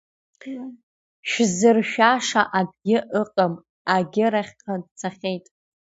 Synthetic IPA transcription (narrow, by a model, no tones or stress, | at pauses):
ʃᶣzɨrʃᶣaʂaʔab̚ɡʲɪʔɨqʼam | aɡʲɪɾaχʲqʰadt͡sʰaχʲejtʼ